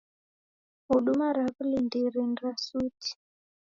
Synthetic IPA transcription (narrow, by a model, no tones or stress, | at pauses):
uɗumaɾakulindiɾinɾasuti̥